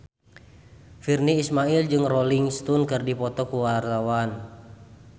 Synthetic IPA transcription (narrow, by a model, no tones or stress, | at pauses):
firniːsmaild͡ʒɨŋrɔliŋst̪unkɨrdipɔt̪ɔkuwart̪awan